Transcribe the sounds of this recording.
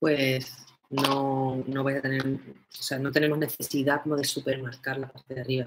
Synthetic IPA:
pwe̞s | nono̞βajsat̪e̞ne̞ɾoseano̞t̪e̞ne̞moɦne̞θe̞siðakomoðe̞supe̞ɾmaɾkaɾlapaɾt̪eðeariβa

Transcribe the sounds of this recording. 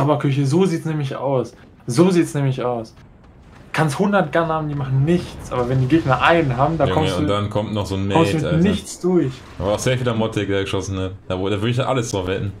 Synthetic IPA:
abɐkʰʏç̬əzoːziːtsnɛːmlɪça̰ʊs | z̥oːziːtsnɛːmlɪçaʊs | kʰansthʊndɐt̚ɡ̥ɛɐnhaːbm̩diːmaχn̩nɪçt͡sʔa̰ːbɐvɛndiːɡɪtnaʔaɪnnɦaːbm̩daːkʰɔmʊud̥ankʰɔmtnɔχz̥oːnmɛɔmstumɪanɪçt͡sd̥ʊɐç | avaaʊz̥eːɐfiːlaɐmɔtʰɛk̚deːɐɡəʃɔsn̩atd̥aːvdaːvʏɐɾɪçjaʔaləsd̥ʁafvɛtn̩

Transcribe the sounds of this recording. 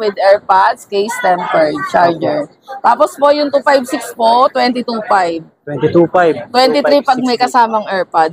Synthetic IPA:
wɪd̪ɛɹpad̪skejst̪ɛmpɛɹt͡ʃaɹd͡ʒɛɹ | t̪aːpospojʊŋt̪uːfajbsɪkspot̪wɛnt̪ɪt̪ufajb̪̚wɛnt̪it̪ufajbt̪wɛnt̪ɪt̪ɾipɐɡ̚mɐjkɐsaːmɐŋʔɛɹpad̪̚

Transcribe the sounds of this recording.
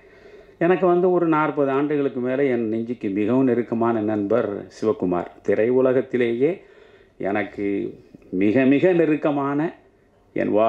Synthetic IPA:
ɛnɐk̬ːɯʋɐnd̪ɯɔɾɯnaːrpɐðɯaːɳɖɯɣɐɭɯkːɯmeːlɐɛnnɪɲd͡ʒɪkːɯmɪɣɐʋɯnɪɾɯkːɐmaːnɐnɐnbɐɾsɪʋɐkːʊma̰ːɾt̪ɪɾɐɪʋʊlɐɣɐt̪ːɪleːjeː | ʔɛ̰nɐkːɯmɪɣɐmɪɣɐnɪɾɯkːɐmaːnɐ | ɛ̰nʋaː

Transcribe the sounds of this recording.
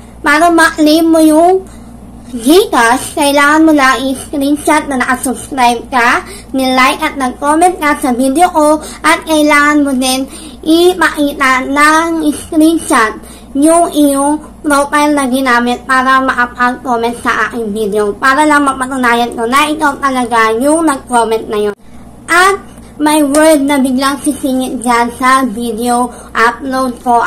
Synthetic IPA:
paɾamaʔlimːojʊŋ | ɡikaskailaŋanmolaŋiskɾint͡ʃat̪̚nanɐkasubskɾajb̚ka | nilajkat̪̚nakomɛnt̪̚kasavid̪eoʔoʔat̪̚kailaŋanmodɛn | ʔipaʔit̪annaŋiskɾint͡ʃat̪̚ | jʊŋɪjoŋ | pɾopajlnɐɡɪnaːmɪt̪̚paːɾɐmɐʔɐpʔaɡ̚komɛnt̪̚sɐʔaːkɪŋvid̪ɛopaːɾɐlɐŋmɐpɐt̪ʊnaːjɐnko̞nɐʔɪk̪at̪ɐlɐɡajʊŋnɐɡ̚komɛnt̪̚nɐjon | ʔɐt̪̚ | mɐjwɛɹd̪̚nɐbɪɡlaŋsɪsiːŋɪt̪̚d͡ʒansɐvid̪ɛo | ʔaplowd̪̚ko̞

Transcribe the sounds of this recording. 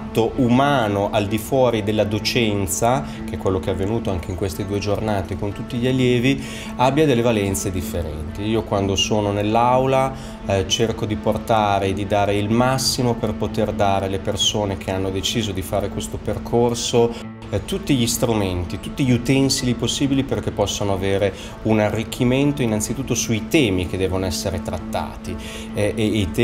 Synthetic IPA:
t̪ːoʔumaːnoʔald̪ifwɔːɾid̪elːad̪ot͡ʃɛnt̪sa | k̟eɛkːwelːok̟eɛavːenuːt̪oaŋk̟eiŋkwest̪ed̪uːed͡ʒornaːt̪ekont̪ut̪ːiʎialːjɛːvi | abːjad̪elːevalɛnt̪sed̪ifːeɾɛ̰nt̪iiːokwand̪osoːnonelːawla | t͡ʃerkod̪iport̪aːɾed̪id̪aːɾeilmasːimoperpot̪erd̪aːɾelepersoːnek̟ʰeanːod̪et͡ʃiːzod̪ifaːɾekwest̪operkʰorso | t̪ut̪ːiʎist̪ɾument̪it̪ut̪ːiʎiut̪ɛnsiliposːiːbiliperkepːɔsːonoaveːɾe | unarːikʰːiment̪oinant̪sit̪ut̪ːosuit̪ɛːmik̟ed̪ɛːvonoɛsːeɾet̪ɾat̪ːa̰ːt̪i | it̪

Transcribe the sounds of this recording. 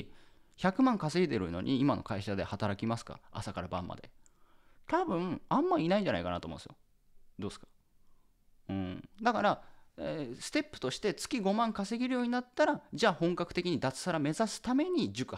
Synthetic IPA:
çakɯ̟mãŋkase̞id̪e̞ɾɯ̟no̞̰ɲ̟ʔiːmano̞̰kaiɕad̪e̞̰hat̪aɾakʲimasɨ̥ka̰a̰sakaɾabã̰mːʔa̰d̪e̞̰ | t̪abɯ̟̃ãmːaiːnaiɲd͡ʑana̰ḭkana̰t̪omõ̰n̰sɨjo | d̪o̞ːsɨ̥kḁ | ɯ̟̃ɴd̪akaɾaesɨ̥t̪e̞pːɯ̟̥t̪o̞ɕi̥t̪e̞t͡sɨ̥kʲiɡo̞mãŋkase̞ɡʲiɾɯ̟jo̞ːɲ̟inat̪ːaɾad͡ʑaːhõ̞ŋkakɯ̟̥t̪e̞kʲiɲ̟id̪at͡sɨ̥saɾame̞zasɨ̥t̪ame̞ɲ̟id͡ʑɨkɯ̟

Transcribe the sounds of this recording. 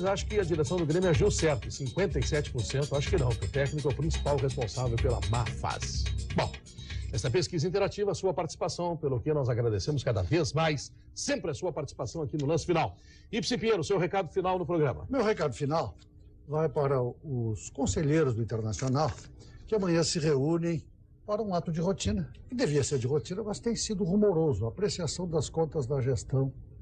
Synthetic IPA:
zaʃʊ̥kɪɐd͡ʒiɾesɐ̃w̃d̪ʊɡɾẽmjʊaʒiwsɛɾt̪ʊɪsĩŋkwẽnt̪ɐɪsɛt͡ʃɪ̥poɾsẽnt̪ʊaʃʊ̥kɪnɐ̃w̃kɪʊt̪ɛknikʊɛʊpɾĩsi̥pawɦespõsavewpelɐ̰mafa̰zɪbõw̃ | ɛst̪ɐpeskizɐĩnt̪eɾat͡ʃivɐːsuɐpaɾt͡ʃisi̥pasɐ̃w̃pelʊkɪnɔzaɡɾad̪esẽmʊskad̪ɐvezmajsː | ẽmpɾɪɐsuɐpaɾt͡ʃisi̥pasɐ̃w̃akinʊlɐ̃sɪ̥finaw | ipsĩpĩẽnʊsewhekad̪ʊfinawnʊpɾoɡɾɐ̰̃mɐ̰mewhekad̪ʊfinaw | vajpaɾɐʊskõseʎejɾʊzd̪ʊĩnt̪eɾnasionawkɪɐamɐ̃ɲɐ̃sɪʁeũnẽj̃ | paɾɐũat̪ʊd͡ʒɪhot͡ʃĩnɐkɪd̪eviɐseɾd͡ʒɪhot͡ʃĩnɐkast̪ẽj̃sid̪ʊʁumoɾozʊaːpɾesiasɐ̃w̃d̪ɐskõnt̪ɐzd̪ɐʒest̪ɐ̃w̃

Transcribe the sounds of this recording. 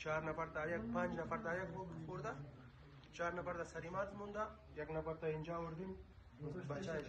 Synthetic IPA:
t͡ʃaːɾnɐfɐɾt̪ajɐk̚pãːnt͡ʃnɐfɐɾt̪aːjɐkopoːɾd̪a | t͡ʃaːɾnɐpɐɾt̪asɐɾimaːt̪mund̪a | ɐknɐpɐɾt̪ainʲd͡ʒaːoɾd̪in | bɐt͡ʃaː

